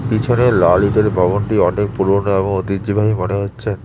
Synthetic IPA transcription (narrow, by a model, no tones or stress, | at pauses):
pit͡ɕʰonelalid̪eɾbʱɔbonʈiɔnek̚puɾoɾnoeboŋot̪idd͡ʑibʱaɦimoneɦotːɕʰen